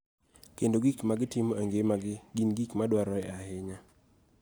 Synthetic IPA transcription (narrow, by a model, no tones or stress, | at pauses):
kendoɡikmaɡɪtɪmoaŋɡemaɡɪɡinɡikmadwaɾɔɛahɪɲa